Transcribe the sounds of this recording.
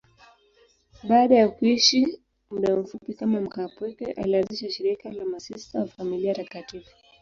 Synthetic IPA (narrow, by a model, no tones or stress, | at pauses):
ɓaːɗajakuiʃi | muɗam̩fupikamam̩kapwɛkɛ̰ʔa̰lianziʃaʃiɾikalamasistawafamiliatakatifu̥